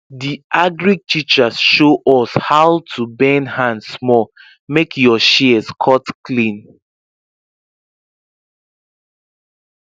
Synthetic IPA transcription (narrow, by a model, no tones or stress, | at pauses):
diaɡɹiɡ̚tʰit͡ʃasʃoʔɔshawtʰubɛ̃nhãndsmɔ | mekʰjɔʃiskʰɔtklĩn